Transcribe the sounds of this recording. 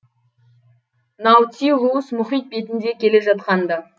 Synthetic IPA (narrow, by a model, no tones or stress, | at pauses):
nɑwt̪ʲiʁuəsmʊχijt̪̚be̞t̪ɪnd̪e̞kʲʰe̞le̞ʒɑt̪̚qɑnd̪ɑ